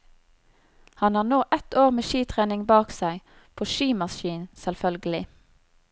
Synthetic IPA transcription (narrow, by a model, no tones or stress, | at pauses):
hɑnɑːnoːʔɛt̪oːʁmeːʃiːt̪ʰʁeːnɪŋbɑːksæɪ | pʰoːʃiːmɑsʃiːnsɛlfœlɡəlɪ